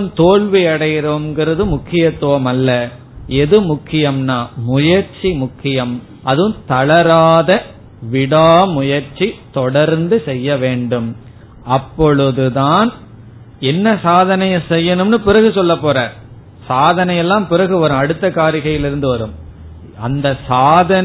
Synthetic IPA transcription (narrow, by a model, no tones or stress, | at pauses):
mt̪oːɭʋiɐɽɐjɪɾɐʋɐmɡɪɾɐðɯmʊkʰːɪjɐt̪ːɯʋɐmɐlːɐ | ɛðɯmʊkʰːɪjɐmnaːmʊjɐɾt͡ʃimʊkʰːɪjɐm | ɐðɯmt̪ɐɭɐɾaːðɐ | ʋɪɽaːmʊjɐɾt͡ʃːit̪ɔɽɐɾnd̪ɯsɛjːɐʋeːɳɖɯm | ʔɐpːɔɻɯðɯðaːn | ɛnːɐsaːðɐnɐjɐsɛjːɐnɯmnɯpɪɾɐɣɯsɔlːɐpːoːɾaːɾ | saːðɐnɐjɛlːãːmpɪɾɐɣɯʋɐɾɯ̃mɐɽɯt̪ːɐkaːɾɪɣɐjɪlɪɾɯnd̪ɯʋɐɾɯm | ɐnd̪ɐsaːðɐn